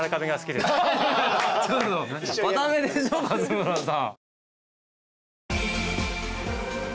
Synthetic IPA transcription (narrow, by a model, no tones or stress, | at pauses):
ɾakabeɡasɨ̥kʲid̪es | t͡ɕot̪omat̪amed̪eɕokazɨɯɾasã